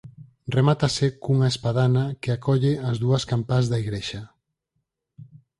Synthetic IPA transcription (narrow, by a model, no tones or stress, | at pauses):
remat̪asekuŋaespaðanakeakɔʎeɐzðuɐskampazðɐiɣɾeʃa